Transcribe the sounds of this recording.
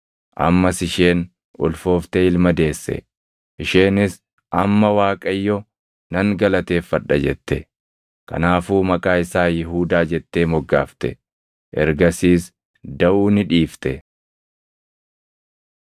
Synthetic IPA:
ʔɐ̰mːɐsɪʃeːn | ʊ̰lfo̞ːft̪ɛɪlmɐd̪e̞ːsːɛ̰ | ʔɪʃe̞ːnɪs | ɐmːɐwaːkʼɐjːɔ | nɐŋɡɐlɐt̪e̞ːfːɐᶑːɐd͡ʒɛt̪ːɛ | kɐ̰naːfuːmɐkʼaːɪsaːjɪɦuːd̪aːd͡ʒɛt̪ːe̞ːmɔɡːaːft̪ɛ̰ | ʔɛ̰ɾɡɐsiːs | d̪ɐʔuːnɪᶑiːft̪ɛ

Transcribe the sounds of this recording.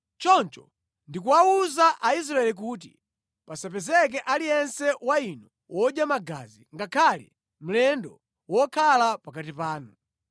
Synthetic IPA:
t͡ʃɔnt͡ʃɔ | ndikuwauzaʔais̬ɾaɛlik̬uːt̬i | pasapɛzɛk̬ɛʔalijɛnsɛwainɔ | wɔʄjamaɡa̰zḭŋɡakʰalɛ̰ | m̩lɛndɔ | wɔkʰalapakatipaːnu

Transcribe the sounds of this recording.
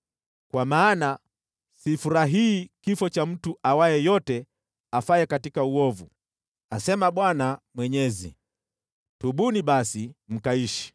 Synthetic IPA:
kwamaːna | sifuɾaɦiːkifɔt͡ʃam̩tuʔawajɛjɔtɛ | afajɛkatikauɔvu | asɛmaɓwanamwɛɲɛzḭ | tuɓuniɓasim̩kaiʃi̥

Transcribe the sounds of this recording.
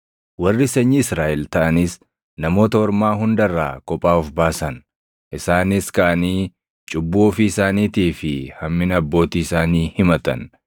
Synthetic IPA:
wɐrːɪsɛɲːɪɪsɾaːʔɛlt̪ɐʔɐnɪs | nɐmo̞ːt̪ɐɔɾmaːɦʊnd̪ɐrːa̰ːkɔpʼːaːʊfbaːsɐn | ʔɪsaːnɪskɐʔɐniː | t͡ʃʼʊbːuɔfiɪsaːniːt̪iːfɪhɐmːɪnɐbːo̞ːt̪iːɪsaːniːhɪmɐt̪ɐ̰n

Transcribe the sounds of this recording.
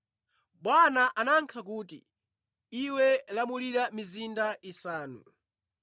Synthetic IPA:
ɓwanaʔanaŋkʰak̬uːtḭ | iwɛlamuliɾamizindaʔisaːnṵ

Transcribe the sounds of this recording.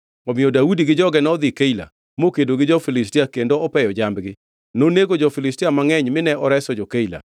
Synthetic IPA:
ɔmɪɔdaudiɡɪd͡ʒɔɡɛnɔd̪ɪkeila̰ | mokedoɡɪd͡ʒɔfilɪstiakendoɔpɛjɔd͡ʒambɡɪ | noneɡod͡ʒɔfɪlɪstijamaŋɛɲmɪnɛɔɾɛsɔd͡ʒɔkeila̰

